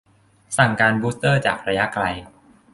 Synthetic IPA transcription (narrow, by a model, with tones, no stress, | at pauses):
sa˨˩ŋkaː˧nbuː˦˥st̪ɤː˥˩t͡ɕa̰ː˨˩k̚ɾa˧ja˦˥kla˧j